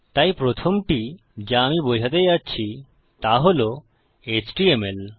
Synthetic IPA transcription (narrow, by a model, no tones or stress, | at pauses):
t̪ajpɾot̪ʰomʈi | d͡ʑaamibojʱat̪̬ed͡ʑatːɕʰi | t̪aɦolo | et͡ɕʈiemel